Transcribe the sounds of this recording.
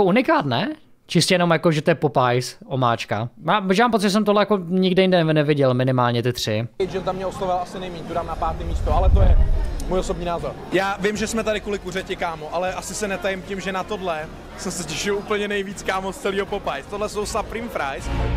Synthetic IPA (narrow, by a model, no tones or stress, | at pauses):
jakounɪkaːt̪nɛ | t͡ʃɪscɛjɛno̞mjakoʒɛt̪ojɛpopajsʔomaːt͡ʃka̰maːʒɛmaːmpot͡sɪʒɛsɛmt̪oɦlɛjakoɲɪɡdɪjɪndɛnɛvɪɟɛlmɪnɪmaːlɲɛt̪ɪt̪r̝̥ɪɛjd͡ʒɛnt̪amɲɛoslovɪlasɪnɛjmiɲt̪udaːmnapaːt̪imiːst̪oalɛt̪ojɛmujosobɲiːnaːzoɾjaːvɪmʒɛsmɛt̪adɪkulɪkurɛcɪkaːmoʔalɛʔasɪsɛnɛt̪ajɪmcɪmʒɛnat̪odlɛ | sɛsɛcɛʃɪoupl̩ɲɛnɛjviːt͡skaːmost͡sɛliːɦopopajst̪odlɛsowsapɾiːmfɾajs